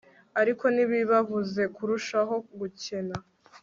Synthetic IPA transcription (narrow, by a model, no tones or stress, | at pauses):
aɾiko̞niβiβavuze̞kuɾuʃaɦo̞ɡuce̞na